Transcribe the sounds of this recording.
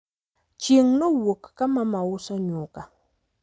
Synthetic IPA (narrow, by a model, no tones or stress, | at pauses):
t͡ʃiŋnɨwʊkkamamawusaɲuka